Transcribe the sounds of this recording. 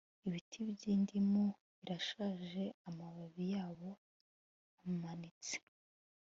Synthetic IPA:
iβitʰiβɟiːndimo | βiɾaʃaːʒe̞amaβaβijaːβo̞ | amumanit͡se̥

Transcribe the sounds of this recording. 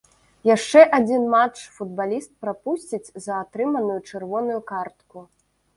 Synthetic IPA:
jaʂt͡ʂɛʔad͡zʲinmat͡ʂfud̪balʲist̪̚pɾapusʲt͡sʲit͡sʲzɐːt̪ɾɨmɐnujut͡ʂɛrvɔnujukart̪ku

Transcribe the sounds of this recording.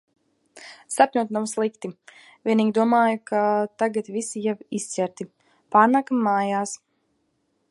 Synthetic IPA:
sapʲɲʲuɔt̪nawslˠikt̪i | vʲiɛniːɡʲid̪uɔmaːjukʰat̪aɡat̪visijavist̪sʲɛɾt̪i | paːɾnakamːaːjaːs

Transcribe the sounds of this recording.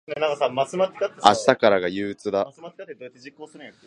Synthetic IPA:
nenãŋkasaːmasɨmat̪ʲːi̥kat̪ːeaɕi̥t̪akaɾaɡajɯːt͡sɨd̪amḁkat̪ːed̪oet̪ːed͡ʑikːoːsɨnɯ̃jak

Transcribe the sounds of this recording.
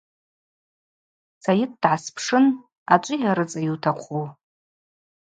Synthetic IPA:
sajɪt̚dʕaspʰʂɨn | at͡ʃʷʼʊjaɾɨt͡sʼajuwtʰaqʷʰu

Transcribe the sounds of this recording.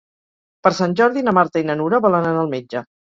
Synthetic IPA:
pəɾsanʲʒɔɾðinəmaɾt̪əinənuɾəβalənənəlˠmed͡ʒə

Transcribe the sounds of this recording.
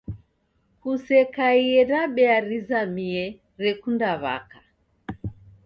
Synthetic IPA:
kusɛkaiɛɾaɓɛaɾizamiɛ | ɾɛkundaβa̰ka

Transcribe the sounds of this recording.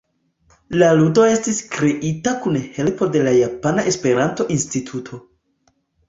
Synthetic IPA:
laludo̞e̞stiskɾe̞ʔitakunhe̞lpo̞de̞lajapanaʔe̞spe̞ɾanto̞ʔinstitʰutʰo̞

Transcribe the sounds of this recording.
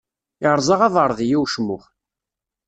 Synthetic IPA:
ɪʕɾˤzˤɑʁɑðəɾˤðjiwʃmʊχ

